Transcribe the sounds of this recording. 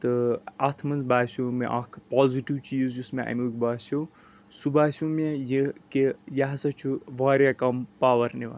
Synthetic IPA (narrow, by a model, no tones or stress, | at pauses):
t̪ɨɐt̪ʰmɐnzbaːsʲjomeʔakʰpɔːziʈiʋt͡ʃizjusmeʔa̰mʲukʲbaːso | subaːsʲũmejikejaɦɐsɐt͡ʃʰuʋaːɾʲjakɐmpaːʋɐɾniʋa̰